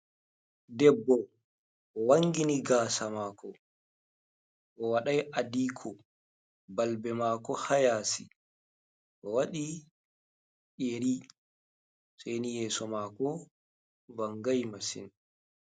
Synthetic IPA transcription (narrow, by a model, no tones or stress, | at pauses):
dɛbːɔ | ʔɔwaŋɡiniɡaːsamaːkʰɔ | ʔɔwaɗajʔadiːkʰɔ | balbɛmaːkɔhajaːsi | ʔɔwaɗi | ɗeɾi | sajnijɛːsɔmaːkɔ | vaŋɡajmasḭn